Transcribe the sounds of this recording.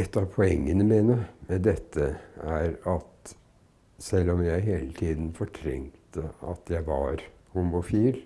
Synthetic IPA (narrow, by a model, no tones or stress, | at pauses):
ɛt̪ːɑʋpʰɔɛŋːənəmiːnəd̪ɛt̪ʰːəæɾɑt̪ | sɛlːɔmjæɪɦeːlət̪ʰiːd̪n̩fɔʈʰɾɛ̰ŋt̪əɑ̰t̪ʰjæɪʋɑɾhʊmʊfiːl